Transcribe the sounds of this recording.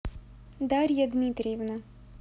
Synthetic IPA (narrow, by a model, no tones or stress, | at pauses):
d̪aɾʲjɐd̪mʲit̪ɾʲɪjɛvna